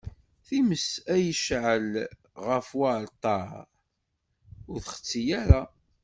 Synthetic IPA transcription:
θiməsæjəʃʕəl | ʁəfwalt̪ˤːɑɾ | ʊɾθəχə̥t͡sːijæɾa

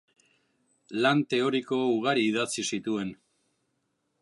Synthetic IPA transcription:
lant̪e̞o̞ɾiko̞uɣaɾiːðat͡sisit̪ue̞n

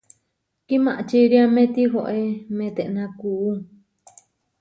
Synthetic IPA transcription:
kimãʔt͡ʃiɾiamẽt̪iɦoʔemẽt̪eʔnãkuʔu

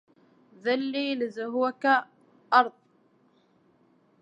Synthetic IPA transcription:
ðalːiːlɪzʊɦwaka | ʔɑɾˤðˤ

